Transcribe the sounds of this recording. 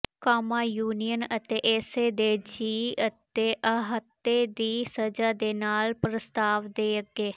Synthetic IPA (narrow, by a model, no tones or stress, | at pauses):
kaːmaːjuːnijənət̪eːʔɛːseːd̪eːd͡ʒiːət̪eːʔəɦət̪ːeːd̪iːsəd͡ʒaːd̪eːnaːlpɾəst̪aːʋd̪eːəɡeː